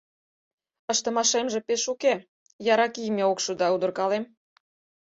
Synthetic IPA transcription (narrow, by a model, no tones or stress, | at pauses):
ə̆ʃt̪ə̆mɑʃemʒĕpeʃuke | jɑɾɑkijmʲeokʃud̪ɑud̪ə̆rkɑlem